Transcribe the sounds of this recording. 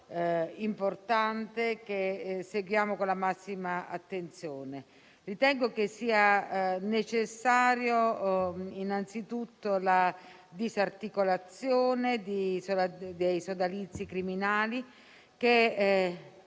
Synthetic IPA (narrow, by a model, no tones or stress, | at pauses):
import̪ant̪ek̟eseɡwjaːmokolamasːimaa̰t̪ːent̪sjoːne | rit̪ɛŋɡokesːiːanet͡ʃesːaːɾjo | inant̪sit̪ut̪ːola | d̪izart̪ikolat̪sjoːned̪isod̪ejsod̪alit̪sːikɾiminaːli | k̟e